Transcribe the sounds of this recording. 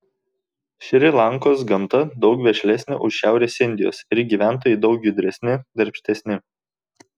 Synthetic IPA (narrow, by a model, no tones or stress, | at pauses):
ʃʲɾʲɪlˠɑˑŋkoːs̬ɡɐmt̪ɐd̪ɒʊkʋʲɛʃʲlʲɛsʲnʲʊ̰ʔʊʃʃʲæˑʊɾʲeːsʲɪnʲd̪ʲɪjo̰ːsɪɾʲɡʲiːʋʲæˑnt̪̬oːjɛɪd̪ɒʊkjʊd̪ʲɾʲɛsʲnʲɪd̪ɐɾʲpʲsʲt̪ʲɛsʲnʲɪ